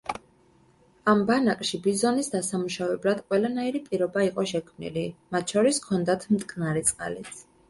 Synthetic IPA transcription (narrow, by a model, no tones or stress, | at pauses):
ambanakʼʃibizɔnisd̪asamuʃavɛblad̪̥qʼwɛlanaiɾipʼiɾɔbaiqʼɔʃɛkʰmnḭlimat̪̚ʰʃɔɾiskʰɔnd̪at̪ʰmt̪ʼkʼnaɾit̪sʼqʼa̰lit̪sʰ